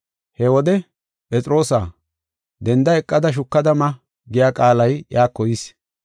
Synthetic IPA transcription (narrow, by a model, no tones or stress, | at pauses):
hɛwɔd̪ɛ | pʼɛt͡sʼɾo̞ːsaː | d̪ɛnd̪ɐɛkʼːɐd̪ɐʃ̬ʊkːɐd̪ɐmɐ | ɡɪjaːkʼaːlɐjjaːkːɔjɪs